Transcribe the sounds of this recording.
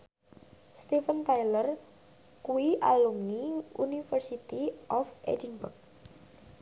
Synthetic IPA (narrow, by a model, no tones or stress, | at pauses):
st̪ifənt̪ajlər | kuiʔa̰lumniunifərsit̪iʔɔfḛdinbʊrk̚